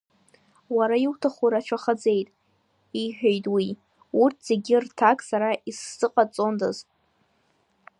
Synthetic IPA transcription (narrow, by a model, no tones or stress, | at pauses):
waɾaiwtʰaχuɾat͡ʃʷʰaχad͡ze̞jtʼ | iħᶣejtʼwi | urtʰz̥e̞ɡʲirtʰakʼsaɾaʔisːɨqʼat͡sʼondazʼ